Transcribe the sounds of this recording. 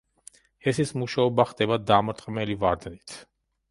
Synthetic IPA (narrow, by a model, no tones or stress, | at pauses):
ɛsismuʃaɔbaχd̪ʼɛbad̪amɾt̪ʼqʼmɛlivaɾd̪nit̪ʰ